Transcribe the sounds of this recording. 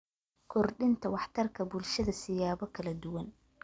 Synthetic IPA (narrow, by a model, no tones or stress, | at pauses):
kʰɔrɖɪnt̪ʰɐwɑħt̪ʰɐrkʰɐbʊlʃɐðɐsɪjaːβɔkʰɐlɐd̪ʊwɐn